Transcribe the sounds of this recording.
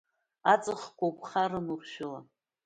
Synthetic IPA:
at͡sʼɨχkʷowpʰχaɾɨnurʃᶣʊla

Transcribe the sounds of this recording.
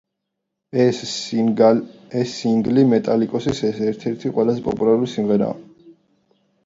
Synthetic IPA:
ɛsiŋɡlimɛt̪ʼalikʼɔsisɛsɛɾt̪ʰɛɾt̪ʰiqʼwɛlazɛpʼɔ̰pʼulaɾulisimʁɛɾa̰ː

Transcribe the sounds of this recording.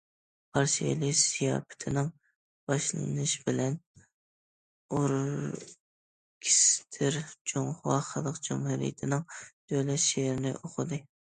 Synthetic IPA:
pʰɑɾʃilisijɑ̰ːpʰɪ̥t̪ʰɪnɪŋ | b̥ɑʃlˠɨ̰nɨʃbɪlɛn | oɾ | kʲʰi̥st̪ʰɪɾd͡ʒoŋhʊwɑχəlˠəqd͡ʒumhuɾḭjɪ̰t̪ʰɪnɪŋd̪̥ølɛt̪ʃeɾɪnɪ̰ʔoqʰʊd̪ɨ

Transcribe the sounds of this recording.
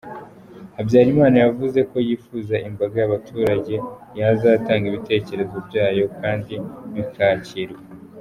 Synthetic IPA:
abɟaːɾimaːnajavuze̞ko̞jiːfuːzaʔimbaɡajaβatʰuːɾaɟe̞jazaːtaːŋɡiβite̞ːce̞ɾe̞zo̞bɟaːjo̞kʰaːndiβikʰaciɾwee

